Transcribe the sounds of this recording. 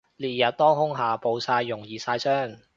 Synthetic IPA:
liː˨˩jɐ˨t̚t̪ɔː˥ŋhʊ˥ŋɦaː˨po˨˧wsaː˧jːʊ˨˩ŋjiː˨˩saː˧jsœː˥˩ŋ

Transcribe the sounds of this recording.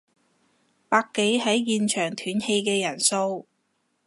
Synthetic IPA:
paː˧kːe˨˥jɦɐ˨˥jjiː˨nt͡ʃʰœː˨˩ŋt̪ʰyː˨˥nhe˧jkɛː˧jɐ˨˩nso˧w

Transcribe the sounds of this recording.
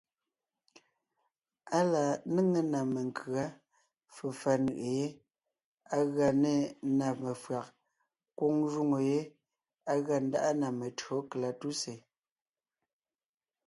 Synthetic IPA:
a˦la˨˦nə˦ŋe˦na˨me˨ŋkʰɰa˦ | fə˨fa˦nɯ̰˨ʔe˨je˦ | a˦ɣa˨ne˦˨na˨me˨fɰa˨k̚ | kwo˦ŋʒu˦ŋo˨je˦ | a˦ɣa˨n̩˦da̰˦ʔa˦na˨me˨to˨˦kla˨tu˦se˨

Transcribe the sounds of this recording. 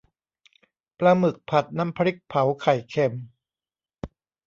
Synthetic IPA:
plaː˧mɯ˨˩k̚pʰa˨˩t̪̚na˦˥˨mpʰa˧ɾi˦˥k̚pʰa˨˩˦wkʰa˨˩jkʰe˨˩m

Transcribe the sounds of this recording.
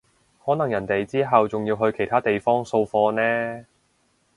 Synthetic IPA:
hɔː˨˥nɐ˨˩ŋjɐ˨˩nt̪e˨jt͡siː˥ɦɐ˨wt͡sʊ˨ŋjiː˧wɦɵ˧ɥkʰe˨˩jt̪ʰaː˥t̪e˨jfɔː˥ŋso˧wfɔː˧nɛː˥

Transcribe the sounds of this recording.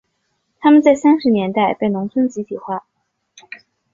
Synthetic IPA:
t̪ʰa˥mə˨nt͡sa˥˩ɪsa˥nʂɻ̩˧˥njɛ˧˥nt̪a˥˧ɪpe˥˩ɪnʊ˧˥ŋt͡sʰə˥nt͡ɕi˧˥t̪ʰi˨˩xwa˥˩

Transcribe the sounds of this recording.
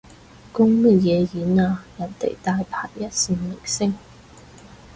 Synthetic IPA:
kʊ˥ŋmɐ˥t̚jɛː˨˧jiː˨˥naː˧jɐ˨˩nt̪ḛ˨˩jt̪aː˧jpʰaː˧˥k̚jɐ˥t̚siː˧nlɪ˨˩k̚sɪ˥ŋ

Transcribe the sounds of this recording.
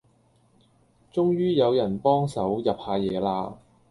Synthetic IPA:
t͡ʃʊ˥ŋjyː˥jɐ˨˧wjɐ˨˩npɔː˥ŋsɐ˨˥wjɐ˨p̚haː˧jɛː˨˧laː˧

